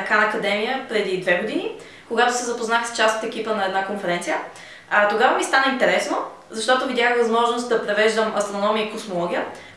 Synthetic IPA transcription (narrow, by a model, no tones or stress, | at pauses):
ɐkanɐːkɐd̪ɛmijəpɾɛd̪id̪vɛɡʊd̪ini | koɡat̪ʊsɛzɐpoznaxst͡ʃast̪ot̪ɛkipənɐɛd̪nakonfɛɾɛnt̪sijə | ɐt̪oɡavəmist̪anɛint̪ɛɾɛsno | zɐʃt̪ɔt̪ʊvid̪ʲjaxvɐzmɔʒnost̪̚d̪ɐpɾɛvɛʒd̪əmɐst̪ɾonɔmijəikosmolˠɔɡʲijə